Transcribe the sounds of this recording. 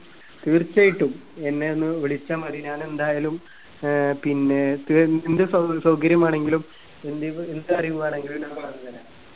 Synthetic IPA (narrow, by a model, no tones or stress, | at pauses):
t̪iːrt͡ɕːajiʈːum | e̞nːe̞onːɨʋiɭit͡ɕːaːmɐðiɲaːne̞nd̪aːjalum | pinːe̞t̪iind̪ɨsɐsɐwkɐɾjɐmaːɳe̞ŋɡilum | end̪iend̪ɨɐriʋuɣaːɳe̞ŋɡilumɲaːpɐrɐɲːɐðinaːɳ